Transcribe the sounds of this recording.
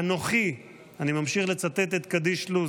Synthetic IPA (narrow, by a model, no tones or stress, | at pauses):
anoχi | animamʃiχlet͡sat̪et̪et̪kad̪iʃlu